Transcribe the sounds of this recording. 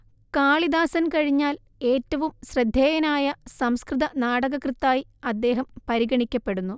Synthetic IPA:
kaːɭid̪aːsɐnkɐɻiɲːaːl | e̞ːtːɐʋumɕrɐd̪ʱjeːjɐnaːjɐsɐmskrɨðɐnaːɽɐɣɐkrɨt̪ːaːjiɐd̪ːe̞ːɦɐmpɐɾiɣɐɳikʲːɐpːe̞ɽunːu

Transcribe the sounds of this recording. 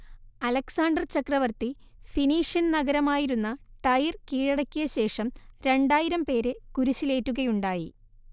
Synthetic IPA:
ɐlɐksaːɳɖɐrt͡ɕɐkrɐʋɐrt̪i | finiːʂjɐnnɐɣɐɾɐmaːjiɾunːɐʈɐjirkiːɻɐɽɐkʲːujɐɕe̞ːʂɐmɾe̞ɳɖaːjiɾɐmpe̞ːɾɨkuɾut͡ɕːile̞ːtːuɣɐjuɳɖaːji

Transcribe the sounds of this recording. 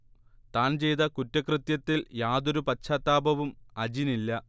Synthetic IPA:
t̪aːnt͡ɕe̞jt̪ɐkutːɐkrɨt̪jɐt̪ːiljaːðo̞ɾupɐt͡ɕʰːaːt̪ːaːbɐʋumɐd͡ʑinilːɐ

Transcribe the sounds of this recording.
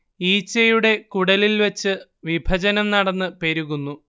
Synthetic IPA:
iːt͡ɕːɐjuɽe̞kuɽɐlilʋet͡ɕːɨʋibʱɐd͡ʑɐnɐmnɐɽɐnːɨpe̞ɾuɣunːu

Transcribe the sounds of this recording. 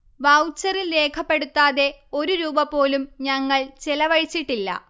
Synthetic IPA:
ʋɐwt͡ɕːɐrilːe̞ːkʰɐpːe̞ɽut̪ːaːðe̞o̞ɾuɾuːbɐpːo̞ːlumɲɐŋːɐɭt͡ɕelɐʋɐɻit͡ɕːiʈːilːɐ̰

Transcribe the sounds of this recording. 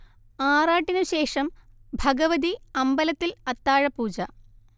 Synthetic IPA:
aːraːʈːinuɕe̞ːʂɐm | bʱɐɡɐʋɐd̪iɐmbɐlɐt̪ːilɐt̪ːaːɻɐpuːd͡ʑɐ

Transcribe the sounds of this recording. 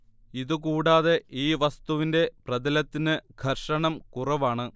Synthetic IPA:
iðuk̬uːɽaːðe̞ʔiːʋɐst̪uʋinde̞prɐdɐlɐt̪ːinɨɡʱɐrʂɐɳɐmkurɐʋaːɳɨ

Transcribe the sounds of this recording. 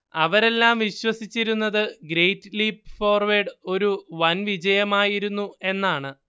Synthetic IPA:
ɐʋɐɾe̞lːaːmʋiɕwɐsit͡ɕːiɾunːɐðɨɡɾe̞jtːɨliːpːfo̞ːrʋeɖo̞ɾuʋɐnʋid͡ʑɐjɐmaːjiɾunːue̞nːaːɳɨ

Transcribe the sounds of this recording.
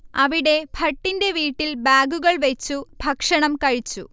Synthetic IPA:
ɐʋiɽe̞bʱɐʈːinde̞ʋiːʈːilbaːɡuɣɐɭʋet͡ɕːubʱɐkʂɐɳɐmkɐɻit͡ɕːṵ

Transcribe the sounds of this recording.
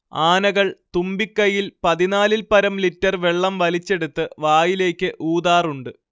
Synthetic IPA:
aːnɐɣɐɭt̪umbikːɐjilpɐðinaːlilpɐɾɐmlitːɐrʋeɭːɐmʋɐlit͡ɕːe̞ɽut̪ːɨʋaːjile̞ːkʲːɨʔuːd̪aːruɳɖɨ

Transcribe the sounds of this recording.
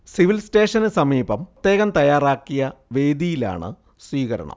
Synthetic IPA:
siʋilste̞ːʂɐnɨsɐmiːbɐmt̪ːje̞ːɣɐmt̪ɐjaːraːkːijɐʋe̞ːd̪ijila̰ːɳɨ̰ | swiːɣɐɾɐ̰ɳɐ̰m

